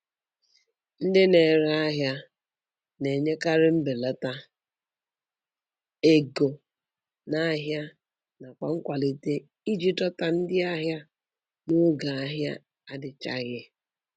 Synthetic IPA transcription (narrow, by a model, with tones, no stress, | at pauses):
n̩˦dɪ˦ne˨ɾa˦ɦja˦ | ne˨ɲe˦ka˦ɾɪ˦m̩˦be˨la˦ta˦ | e˦ɡo˨ | na˦ɦja˦ | na˨kʷa˨ŋ̩˦kʷa˨li˨te˦ | i˦d͡ʒi˦tɔ˦ta˨n̩˦dɪ˦a˦ɦja˦ | no˦ɡa˨a˦ɦja̰˦ | a˦dɪ˨t͡ʃa̰˦ɣɪ˦